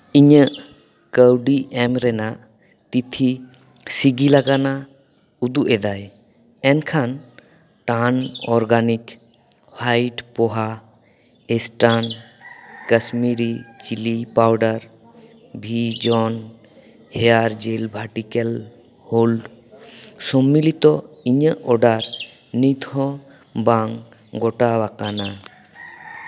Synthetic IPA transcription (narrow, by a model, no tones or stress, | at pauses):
iɲəʔ | kəwɖiʔɛmɾɛnaʔ | t̪it̪ʰi | siɡilaɡana | ud̪uʔɛd̪aj | ɛnkʰan | ʈanɔɾɡanik | hajʈpɔɦa | ɛsʈan | kəsmiɾit͡ʃilipawɖaɾ | bʱid͡ʒɔn | heaɾd͡ʒelbʱaɾʈikel | holɖ | sɔmːilit̪ɔiɲəʔɔɖaɾ | nid̪ʱɔ | baŋ | ɡɔʈabakana